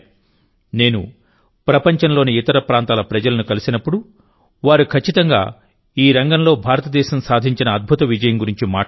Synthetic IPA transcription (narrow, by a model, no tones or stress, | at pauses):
ne̞ːnṵ | pɾɐpɐɲt͡ʃɐnlo̞ːniit̪ɐɾɐpɾaːnt̪aːlɐpɾɐd͡ʒɐlɐnukɐlisinɐpːuɽu | ʋaːɾukʰɐt͡ʃːit̪ɐŋɡa̰ː | iːɾɐŋɡɐnlo̞ːbʱaːɾɐt̪ɐd̪ɛːʃɐmsaːd̪ʱiɲt͡ʃinɐːd̪̚bʱut̪ɐʋid͡ʒɐjɐmɡuɾiɲt͡ʃima̰ː